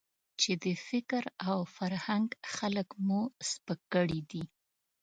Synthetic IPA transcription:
t͡ʃed̪əfɪkɾawfaɾhaŋɡxaləkmuspəkːəɽid̪i

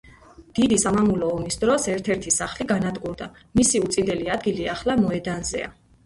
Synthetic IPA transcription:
d̪̥id̪isamamulɔːmisd̪ɾɔsɛɾt̪ʰɛɾt̪ʰisaχliɡanad̪qʼuɾd̪a | misiut̪sʼind̪ɛliad̪̚ɡiliaχlˠamɔɛd̪anzɛ̰a̰

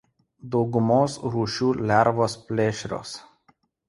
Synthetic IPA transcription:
d̪owɡʊmosɾuʃulʲæɾvospʲlʲeʃʲɾʲo̰s

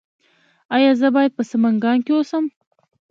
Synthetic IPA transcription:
ɑjɑzəbɑjad̪̚pəsəmaŋɡɑŋkewosəm

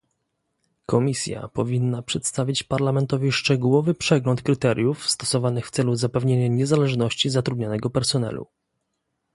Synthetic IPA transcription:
kʰɔmʲisʲja̰pɔvʲinːapʂɛt̪st̪avʲit͡ɕpaɾlamɛnt̪ɔvʲiʂt͡ʂɛɡuwɔvɘpʂɛɡlɔnt̪kɾɘt̪ɛɾʲjufst̪ɔsɔvanɘxft̪sɛluzapɛvɲeɲaɲɛzalɛʐnɔɕt͡ɕizat̪ɾud̪̚ʲɲanɛɡɔpɛɾsɔnɛ̰lṵ

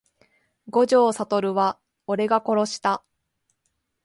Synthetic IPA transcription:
ɡo̞ʑo̞ːsat̪o̞ɾɯ̟βa | o̞ɾe̞ɡako̞ɾo̞ɕi̥t̪a

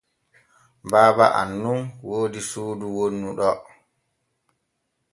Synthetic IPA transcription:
baːba̰ʔa̰nːunwoːdisuːduwonːuɗɔ

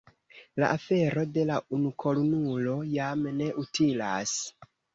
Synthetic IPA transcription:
la̰ʔafe̞ɾo̞de̞launukʰo̞lonulo̞jamne̞ʔutilas

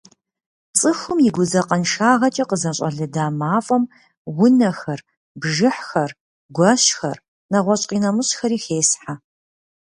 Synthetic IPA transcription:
t͡sʼɨxʷʊmjɪɡʷʊzɐqʼɐnʃaːʁɐt͡ʃʼɐqəzɐɕʼɐɮɨdaːmaːfʼɐm | wʊnɐxɐr | bʒɨħxɐr | ɡʷɐɕxɐr | nɐʁʷɔɕʼqʼiːnɐmɨɕxɐɾiːxeːsħa

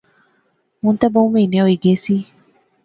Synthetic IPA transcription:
munt̪abawmenewiɡesi

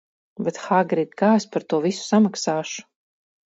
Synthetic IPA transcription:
bet̪xaɡɾid̪kaːespaɾt̪uɔvisu̥samaksaːʃu̥

